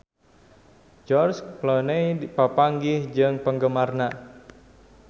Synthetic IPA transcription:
d͡ʒɔrsplɔnəjpapaŋɡɪhd͡ʒɨŋpəŋɡəmarna

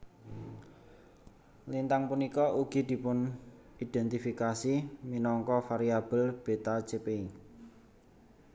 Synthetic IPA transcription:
lint̪aŋpunikɔʔuɡ̥i̤d̪̥i̤pʊn | id̪̥ɛnt̪ifikasiminɔŋkɔfaɾiab̥ə̤lb̥e̤t̪ḁd͡ʒ̥epei

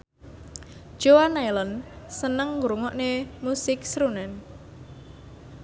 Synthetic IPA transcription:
d͡ʒ̥oanajlənsənəŋːɡɾuŋɔʔnemusɪksɾunɛn

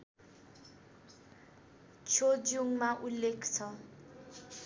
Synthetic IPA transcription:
t͡sʰod͡zuŋmaʔulːekʰt͡sʰʌ

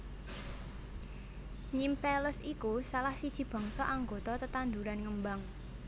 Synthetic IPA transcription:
ɲimpɛləsikusalahsid̥ʒ̥i̤b̥ɔ̤̈ŋsɔʔaŋɡo̤t̪ɔt̪ət̪and̪uɾanŋəmbaŋ

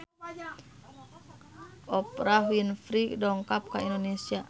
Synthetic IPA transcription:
ɔpraɦwinfɾidɔŋkap̚kaindonesia

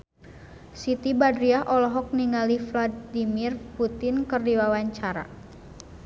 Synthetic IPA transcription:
sit̪ibadɾiaɦʔɔlɔɦɔk̚niŋalifladimirput̪ɪnkɨrdiwawaɲt͡ʃaɾa̰

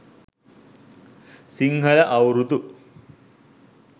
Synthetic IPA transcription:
siŋɡʱɐlɐʔɐwɾut̪u

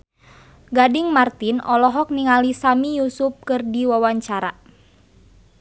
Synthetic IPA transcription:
ɡadiŋmart̪inɔlɔɦɔk̚niŋalisamijusup̚kɨrdiwawaɲt͡ʃaɾa

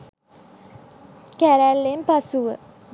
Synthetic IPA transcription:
kæɾælːempasuʋə

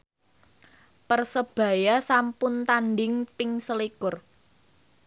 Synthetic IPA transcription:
pərsəb̥ä̤jasampʊnt̪andɪŋpɪŋsəlikʊr

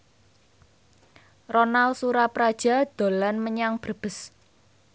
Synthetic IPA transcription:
rɔnalsuɾapɾad̥ʒ̥a̤d̪̥o̤lanməɲaŋb̥ərb̥ə̤s

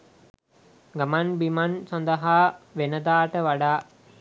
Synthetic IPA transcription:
ɡamanbimansɔnd̪əɦaːʋenəd̪aːʈəʋaɖaː

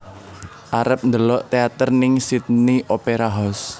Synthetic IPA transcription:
ʔaɾəp̚nd̪əlɔʔt̪eat̪ərnɪŋsit̪̚niʔopeɾaɦɔs

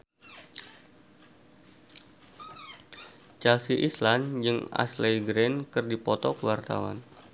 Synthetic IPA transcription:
t͡ʃɛlsiʔisland͡ʒɨŋa̰slejɡɾenkɨrdipɔt̪ɔkəwart̪a̰wa̰n

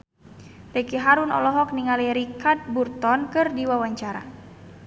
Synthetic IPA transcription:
dɛkiɦaɾunɔ̰lɔɦɔk̚niŋaliɾikat̪̚burt̪ɔnkɨrdiwawaɲt͡ʃaɾa̰

